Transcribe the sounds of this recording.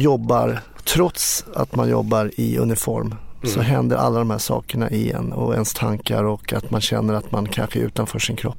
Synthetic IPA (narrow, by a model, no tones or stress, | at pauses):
jɔbːaɾ | t̪ʰɾɔt̪sat̪manjɔbːaɾɪɵnɪfɔɾmsɔɦɛnd̪əɾʔalːad̪ɔmhæːʂɑːkəɳaʔɪɛnːɔɛnst̪ʰaŋkaɾɔkːat̪manɕɛnːəɾat̪mankʰanɧəɛɾʉ̟ːt̪anfœːʂɪnkʰɾɔpː